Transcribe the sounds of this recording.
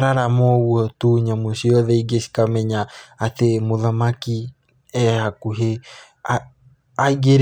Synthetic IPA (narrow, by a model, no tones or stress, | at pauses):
ɾaɾamɔuɔt̪uɲamosiɔðɛiɡesi̥kamɛɲaːt̪emoðamaki | ɛhakuɦe | a | aiɡeɾ